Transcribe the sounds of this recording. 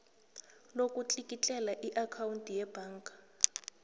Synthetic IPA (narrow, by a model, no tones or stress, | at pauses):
lokʼut͡ɬʼikʼit͡ɬʼɛlaʔiʔakʰawuntʼijɛb̥ʱaːŋkʼḁ